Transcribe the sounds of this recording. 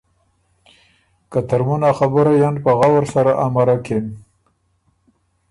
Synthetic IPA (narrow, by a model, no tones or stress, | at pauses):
kat̪aɾmunaxabəɾajanpaɣawaɾsaɾaʔamaɾakem